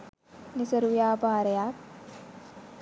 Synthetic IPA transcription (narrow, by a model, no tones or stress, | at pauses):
nisəɾujaːbaːɾejak̚